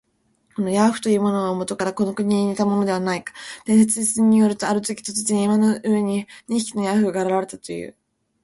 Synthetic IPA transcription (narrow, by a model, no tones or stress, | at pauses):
ko̞no̞jaɸɯ̥t̪o̞jɯ̟ːmo̞no̞amo̞t̪o̞kaɾako̞no̞kɯ̟ɲ̟ʲiɲit̪amo̞no̞d̪e̞βanaikḁd̪̥eɰ̃s̬et͡sɨisɨɲ̟ːijo̞ɾɯ̟t̪o̞aɾɯt̪okʲi̥t̪ozɨt͡sɨɲʲiːmanoɯ̟βe̞ɲ̟iɲĩçi̥kʲi̥no̞jaɸɯ̟ɡaːɾaɾaɾe̞t̪at̪o̞jɯ̰ː